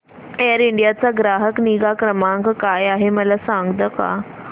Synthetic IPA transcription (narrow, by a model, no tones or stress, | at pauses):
eəɾiɳɖijat͡saɡɾaɦəkniɡakɾəmãŋkkajaɦeməlasãŋɡd̪əka̰